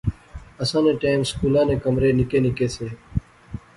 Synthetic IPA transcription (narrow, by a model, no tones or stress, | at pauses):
əsãːnẽːʈaːmskuːlãːnẽːkəmɾeːnɪkeːnɪkeːseː